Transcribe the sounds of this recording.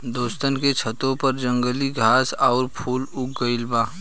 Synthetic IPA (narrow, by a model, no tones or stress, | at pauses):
d̪oːst̪ənket͡ʃʰət̪õpəɾd͡ʒə̃ŋɡəliɡʱaːsaːɾpʰuːlʊk̚ɡəɪlbaː